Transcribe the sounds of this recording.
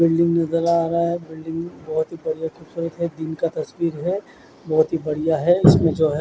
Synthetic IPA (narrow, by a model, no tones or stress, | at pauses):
bɪlɖɪ̃ŋɡnɐzəɾaːɾaaɦɛbɪlɖɪ̃ŋɡbɐɦʊt̪ɦibɐɽijakʊbsuːɾət̪ɦɛd̪ɪnkat̪ɐswiːɾɦɛ | bɐɦʊt̪ɦibɐɽ̤ijaɦɛɪsmẽd͡ʒoːɦɛ